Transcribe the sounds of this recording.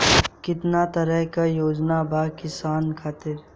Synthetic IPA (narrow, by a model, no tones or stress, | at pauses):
kɪt̪nat̪ɐɾəɦkajoːd͡ʒnabaːkɪsaːnkʰaːt̪e